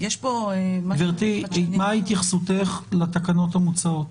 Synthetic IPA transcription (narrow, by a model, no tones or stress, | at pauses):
jeʃpomveʁt̪imait̪jaχsut̪eχlat̪akano̞t̪hamut͡saot